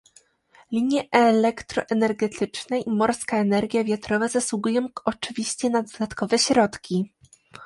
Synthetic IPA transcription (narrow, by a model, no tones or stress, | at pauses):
lʲiɲjɛʔɛlɛkt̪ɾɔʔɛnɛɾɡɛt̪ʰɘt͡ʂnɛʔimɔɾskaɛnɛɾɡʲjavʲjat̪ɾɔvazaswuɡujɔ̃w̃ɔt͡ʂɘvʲiɕt͡ɕɛnad̪d̪at̪kɔvɛɕɾɔt̪kʲi